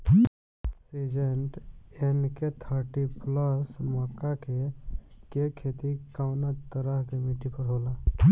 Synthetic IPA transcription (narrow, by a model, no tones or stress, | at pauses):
seːd͡ʒeɳʈenket̪ʰəɾʈipləsmɔːkakekekʰːet̪ikawnat̪əɾaɦkemiʈipəɾɦoːla